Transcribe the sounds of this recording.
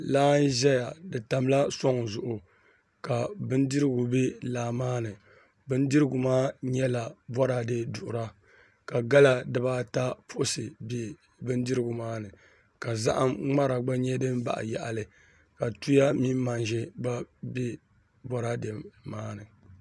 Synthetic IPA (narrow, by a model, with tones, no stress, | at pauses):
laː˦n˦ʒɛ˦ja˨dɨ˨ta˨m˦la˦sɔ˦ŋzʊ˨ʔʊ˨ | ka˨bɨ˦n˦dɨ˦ɾɨ˦ɡʊ˨bɛ˦laː˨maː˦nɨ˨ | bɨ˦n˦dɨ˦ɾɨ˦ɡʊ˨maː˦ɲɛ˦la˨bɔ˦ɾa˨dɨ˦dʊ˨ʔʊ˨ɾa˦ | ka˨ɡa˦la˦˨dɨ˦ba˦ta˦pʊ˦ʔʊ˦sɨ˨be˦ | bɨ˦n˦dɨ˦ɾɨ˦ɡʊ˨maː˦nɨ˨ | ka˨za̰˦ʔa˦mŋ͡ma˦ɾa˨ɡ͡ba˦ɲɛ˦dɨ˦mba̰˨ʔja̰˨ʔa̰˨lɨ˨ | ka˨tu˦ja˦mi˦mː˦a˨nʒɛ˦ba˦bɛ˦ | bɔ˦ɾa˦de˨mːaː˦nɨ˨